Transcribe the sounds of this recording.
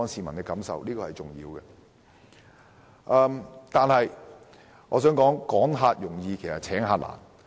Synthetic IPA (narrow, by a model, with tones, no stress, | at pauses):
ɔː˨˥nsiː˨˩mɐ˨˩nkɛ˧kɐ˨˥msɐ̰˨wliː˥kɔː˧hɐ˨jt͡sʊ˨˩ŋjḭː˧wɡɛ˧ | ʔɐː˨˧mt̪aː˨nhɐ˨j | ŋɔ̰ː˨˧sœː˨˥ŋkɔː˨˥ŋkɔː˨˥ŋɦaː˧t̚jʊ˨˩ŋjiː˧kʰe˨˩jsɐ˨t̚t͡sʰɛː˨˥ŋɦaː˧t̚la̰ː˨˩n